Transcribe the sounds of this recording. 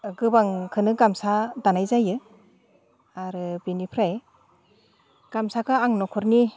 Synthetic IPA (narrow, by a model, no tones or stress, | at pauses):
ɡɯbaŋkʰɯnɯɡamsadanajzajɯ | aɾɯbinipʰɾaj | ɡ̥amsakʰɯaŋnɔkʰɔɾni